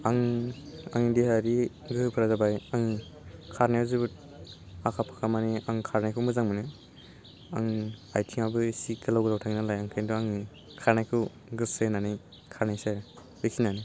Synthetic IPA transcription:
aŋ | a̰ŋidihaɾi | ɡɯpʰɯɾazabajaŋ | kʰaɾnajazɯbɯt̚ | akʰapʰḁkʰamaniaŋkʰaɾnajkʰuwmɯzaŋmɯnɯ | aŋajtʰiŋabɯsikɯlawɡɯlawtʰaŋinalajaŋkʰajnduaŋi | kʰaɾnajkʰɯ | ɡɯsɯnanɯj | kʰaɾnajsaɾ | bɯkʰinani

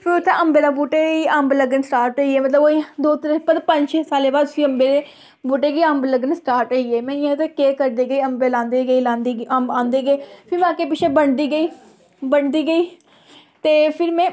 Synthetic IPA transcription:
pʰɪɾʊt̪ʰːẽːəmbeːlãːbuːʈeːɡiːəmbləɡənsʈaːɾʈəiːeːmət̪ləboːid̪oːt̪əɾəpəd̪pəɲd͡ʒʃesaːleːbaːd̪siːəmbeːɾeː | buːʈeːɡiːə̃mbləɡənsʈaːɾʈəiːeːmɛ̃ːɪãːt̪eːkeːkəɾd̪eːɡəiːəmbeːlãːnd̪eːɡəiːlãːnd̪iːəmbãːnd̪eːɡəeːpʰɪɾbãːkeːp̬ɪʃeːbəɳd̪iːɡəiː | bəɳd̪iːɡəiː | t̪eːpʰɪɾmɛ̃ː

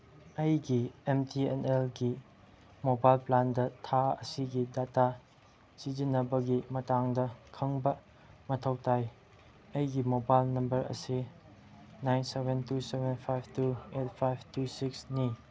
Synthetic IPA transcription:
ɐjɡiemtienelɡi | mobajlplandɐtʰaɐ̰siɡidata | sid͡ʒinɐbɐɡimɐtaŋdɐkʰɐŋbɐ | mɐtʰɐwtaj | ɐjɡimobajlnɐmbɐɾɐ̰si | najnsebʱentusebʱenpʰajbtuet̚pʰajb̚ʰtusiksni

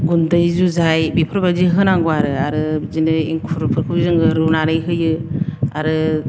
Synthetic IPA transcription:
ɡundɯjzuzajbipʰɯɾbaziɦɯnaŋɡuaɾɯaɾɯzinɯḭŋkʰuɾpʰɯɾkʰɯzɯŋɯɾɯnaɾɯjɦɯjɯaɾɯ

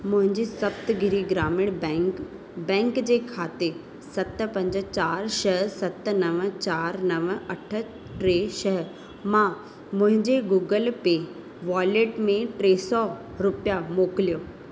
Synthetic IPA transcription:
mʊ̃ɦɪ̃ɲd͡ʑisɐbt̪ɡʱɪɾiɡɾaːmɪɽ̃bɛ̃k | bɛ̃ːŋkd͡ʑeːkʰaːt̪e | sɐt̪̆pɐ̃ɲd͡ʑə̆t͡ɕaːɾʃɐɦsɐt̪nɐʋə̆t͡ɕaːɾnɐʋəɐʈʰə̆ | ʈɾeːʃɐɦəɾ | mã | mʊ̃ɦɪ̃ɲd͡ʑeɡuːɡəlpeː | ʋaːleːʈmẽʈɾeːsɔ | ɾʊpijamoːklijoː

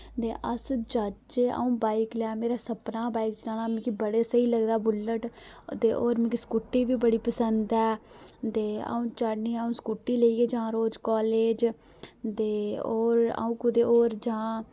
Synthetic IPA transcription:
t̪eːʔəsd͡ʒəd͡ʒeːʔa̰ːũːbaːiklaːmeːɾaːsəpnãːbaːikd͡ʒnaːlãːmɛ̃ːkibəɽeːsəiːləɡd̪aːbʊləʈt̪eːʔoːɾmɛ̃ːkiskuːʈːiːʋiːbəɽiːpəsənd̪ɛːt̪eːa̰ũːt͡ʃaɽniːũːskuːʈːiːleiːeːd͡ʒããːɾoːd͡ʒkɔːleːd͡ʒ | t̪eːoːɾa̰ːũːkʊd̪eːoːɾd͡ʒãː

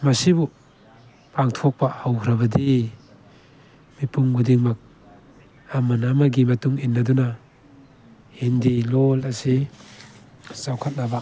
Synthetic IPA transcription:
mɐsibu | paŋtʰɔk̚pahawkʰɾaβɐd̪i | mipuŋɡudiŋmak̚ | amanamaɡimatuŋinːaduna | hindilɔlasi | sawkʰat̚naba

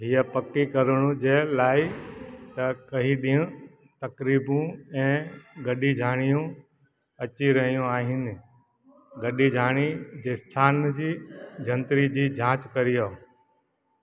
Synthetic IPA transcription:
ɦiːəpɐkikɐɾəɽ̃ũd͡ʑeːlaːɪt̪ɐkɐɦiɗiɦũ | t̪ɐkɾiːbũɛ̃ːɡɐɗid͡ʑʱaːɽ̃ijũ | ɐt͡ɕiɾɐɦijũaːɦɪnɪ̆ | ɡɐɗid͡ʑʱaːɽ̃id͡ʑeːst̪ʰaːnd͡ʑiːd͡ʑʱɐ̃nt̪ɾid͡ʑiːd͡ʑʱãːt͡ɕkɐɾijoː

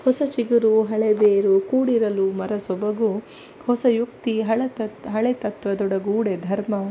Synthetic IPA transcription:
hɔsɐt͡ʃiɡuɾuɦɐɭebeːɾukuːɽiɾɐlumɐɾɐsɔbɐɡu | hɔsɐjuk̚t̪iɦɐɭɐt̪ɐɦɐɭet̪ɐt̪ʋɐd̪ɔɽɐɡuːɽed̪ʱɐɾmɐ

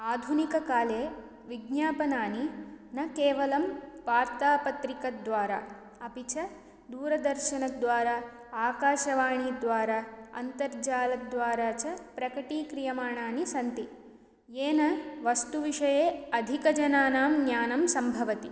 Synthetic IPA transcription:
aːd̪ʱunikɐkaːleː | ʋiɡnaːpɐnaːninɐkeːʋɐlɐmʋaːɾt̪aːpɐt̪ɾikɐd̪ʋaːɾɐ̰ | ɐpit͡ʃɐ | d̪uːɾɐd̪ɐɾʃɐɳɐd̪ʋaːɾa | aːkaːʃɐʋaːɳiːd̪ʋaːɾaɐ̰nt̪ɐɾd͡ʒaːlɐd̪ʋaːɾaːt͡ʃɐpɾɐkɐʈiːkɾijɐmaːɳaːnisɐnt̪i | eːnɐʋɐst̪uʋiʂɐjeːɐd̪ʱikɐd͡ʒɐnaːnaːmnjaːnɐmsɐmbʱɐʋɐt̪i

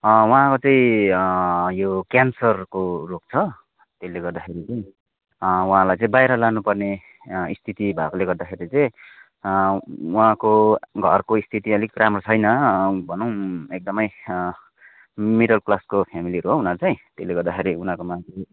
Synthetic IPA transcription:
wɦãkot͡saĩ | jokjansʌrkorok̚t͡sʰʌ | t̪eleɡʌrd̪axʰeɾit͡saĩ | waɦãlajt͡sãĩbajɾʌlanupʌrne | ist̪ʰit̪ibʱakoleɡʌrd̪axʰeɾit͡saj̃ | uɦãkoɡʱʌrkoist̪ʰit̪iʌlikramrot͡sʰʌjnʌbʱʌnʌ̃w̃ek̚d̪ʌmʌj | miɽʌlklaskopʰamiliɾuɦounat͡saĩt̪elːeɡʌrd̪axʰeɾiunãkomake

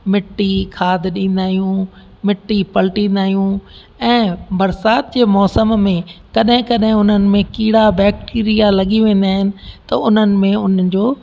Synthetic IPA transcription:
mɪʈːikʰaːd̪ʱɗĩːn̆d̪aːɦijũ | mɪʈːipɐlʈĩːnd̪aːijũ | ɛ̃ːbɐɾsaːt̪̚d͡ʑeːmɔːsəmːẽkɐɗɦɪ̃kɐɗɦɪ̃ʊn̤ənɪ̆mẽkiːɽabɛːk̚ʈiːɾijalɐɠiʋẽːn̆d̪aːɦɪnɪ̆t̪ɐʊn̤ənɪ̆mẽʊnd͡ʑoː

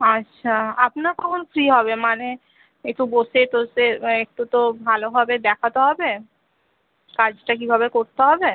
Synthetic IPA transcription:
atːɕʃʰaapnaɾkɔkʰonofʰɾiɦɔbemane | ek̚ʈuboʃet̪oseek̚ʈut̪obʱaloɦɔbed̪ɛkʰat̪eɦɔbe | kad͡ʑʈakibʱaβekoɾt̪eɦɔbe

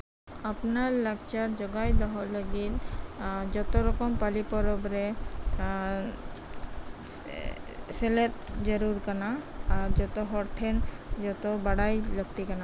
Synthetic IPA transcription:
apnaɾlaɡt͡ʃaɾd͡ʒɔɡajd̪ɔɦɔləɡit̪̚ | d͡ʒɔt̪ɔɾɔkɔmpalipɔɾɔbɾɛ | sɛlɛt̪̚d͡ʒɔɾuɾkanaːɾd͡ʒɔt̪ɔɦɔɾt̪ʰɛn | d͡ʒɔt̪ɔbaɽajləɡ̚t̪ikana

